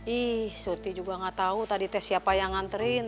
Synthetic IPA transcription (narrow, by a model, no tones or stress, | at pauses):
ihsurt̪id͡ʒuɡaŋat̪aut̪adit̪ɛsiapajaŋant̪əɾin